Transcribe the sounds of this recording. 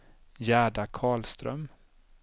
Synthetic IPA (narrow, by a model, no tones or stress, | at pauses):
jæːɖakʰɑːɭst̪ɾœ̰m